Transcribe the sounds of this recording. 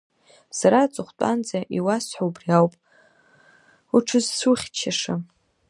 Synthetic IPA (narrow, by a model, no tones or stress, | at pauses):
saɾat͡sʼɨχʷtʼa̰nd͡zaʔiwasħawbriawpʼ | uʈ͡ʂʰɨzsuχʲt͡ʃʰaʂa